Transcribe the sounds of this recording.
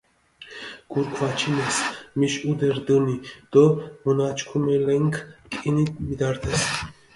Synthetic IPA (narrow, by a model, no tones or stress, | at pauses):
ɡ̥uɾkʰvat͡ʃʰinɛsmiʃud̪ɛɾd̪ɨnid̪̥ɔmənat͡ʃʰkʰumɛlɛŋkʰkʼinit̪mid̪ɑɾt̪ʰɛs